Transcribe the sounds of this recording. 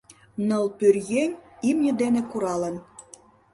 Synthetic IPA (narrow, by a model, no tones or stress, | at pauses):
nɤ̆lˠpyrjenʲimnʲə̆d̪enĕkuɾɑlə̆n